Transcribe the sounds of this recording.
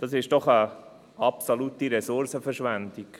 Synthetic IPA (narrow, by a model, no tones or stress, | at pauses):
d̥ɑsɪʃd̥ɔχə | ʔɑpsolutiɾɛsʊɾsəfəɾʃʋænd̪ik